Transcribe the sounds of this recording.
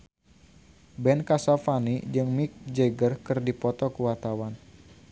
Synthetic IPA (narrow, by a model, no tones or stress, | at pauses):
bɛnkasafanid͡ʒɨŋmik̚d͡ʒeɡərkɨrdipɔt̪ɔkəwart̪awan